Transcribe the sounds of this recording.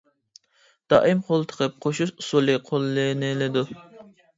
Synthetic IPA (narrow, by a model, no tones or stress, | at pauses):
d̪̥ɑ̰ːʔɨmqʰolˠt̪ʰə̥qʰəp̚qʰoʃuʃusulˠɨqʰolˠːɨnɪlɪd̪u